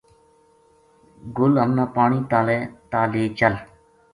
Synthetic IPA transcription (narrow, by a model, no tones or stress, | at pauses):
ɡʊlɦəmnãːpaːɳiːt̪aːleːt̪aːleːt͡ʃəl